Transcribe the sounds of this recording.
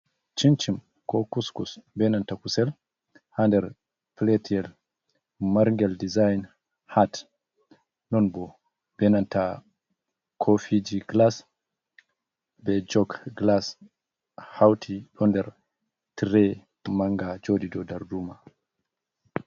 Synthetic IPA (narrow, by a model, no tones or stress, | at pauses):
t͡ʃint͡ʃim | kɔkuskusbɛnantakusɛl | handɛɾ | pletiɛl | maɾŋɡɛldizajn | hat | nɔnbɔ | b̥ɛnanta | kʰɔfid͡ʒiɡlas | bɛd͡ʒɔkɡlas | hawtʰiɗɔndɛɾ | tɾɛ | maŋɡad͡ʒodidɔdaɾduːma